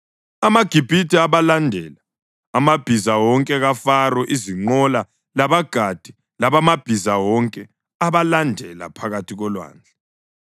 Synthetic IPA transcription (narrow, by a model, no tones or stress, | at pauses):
amaɡ̥ʱib̥ʱitʰʼɛaβalandʱɛlaː | mab̥ʱizawɔŋkʼɛɣafarɔʔiziŋ͡ǃɔla | laβaɡ̥ʱad̥ʱi | laβamab̥ʱizawɔŋkʼɛ | aβalandʱɛla̰pʰaɣatʰiɣɔlwa̰ːnd͡ɮʱɛ